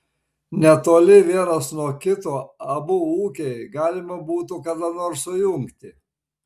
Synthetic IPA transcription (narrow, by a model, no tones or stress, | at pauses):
nʲɛt̪oːlʲɪʋʲiɛnɐsnuɔkʲɪt̪oːɐbʊuːkʲɛɪɡɑːlʲɪmɐbuːt̪ʊkɐd̪ɐnoːɾsʊjʊŋkt̪ʲɪ